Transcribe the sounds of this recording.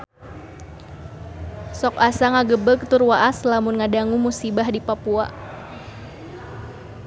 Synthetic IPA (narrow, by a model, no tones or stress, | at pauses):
sɔkasaŋaɡəbək̚t̪ʊrwaʔaslamʊnŋadaŋumusibahdipapua̰